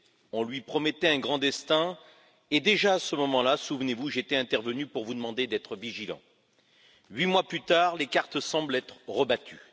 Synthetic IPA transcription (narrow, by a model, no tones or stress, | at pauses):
ɔ̃lɥipχɔmɛt̪ɛɛ̃ɡʁɑ̃d̪ɛst̪ɛ̃ | ed̪eʒaːsəmɔmɑ̃lasuvnevuʒet̪ɛɛ̃t̪ɛʁvənypuʁvud̪əmɑ̃d̪ed̪ɛt̪χəviʒilɑ̰̃ | ɥimwaplyt̪aːʁlekaʁt̪sɑ̃blɛt̪χʁəbat̪ʰy